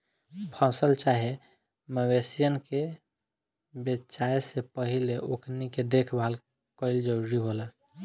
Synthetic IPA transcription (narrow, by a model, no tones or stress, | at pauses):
pʰə̃səlt͡ʃaɦe | məwesijənke | betːt͡ʃaesepəɦileʔokʰniked̪ekʰbʱal | kəɪld͡ʒəɾuɾiɦolə